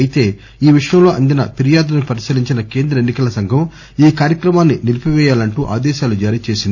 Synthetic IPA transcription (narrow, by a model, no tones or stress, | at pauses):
ɐjit̪e̞ː | iːʋiʂɐjɐmlo̞ːʔɐnd̪inɐpiɾijaːd̪nipɐɾisɐliɲt͡ʃinɐke̞ːnd̪ɾɐenːikɐlɐsɐŋɡʱɐm | iːkaːɾjɐkɾɐmaːnːinilipiʋɛːjaːlɐɳʈuːʔa̰ːd̪ɛːʃaːlud͡ʒaːɾiːt͡ʃe̞ːsind̪i